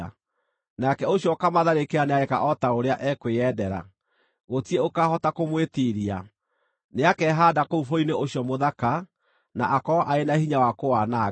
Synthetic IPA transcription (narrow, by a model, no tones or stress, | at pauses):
nakɛoɕjɔkamaðaɾekeaneaɛka̰ʔɔtaoɾeaʔɛkweɛdɛɾa̰ | ɣotiɛokaːhɔtakomwetiɾia | neakɛɦaːdakoufoineoɕjɔmoðaka | naʔakɔʔaenahiɲawakoana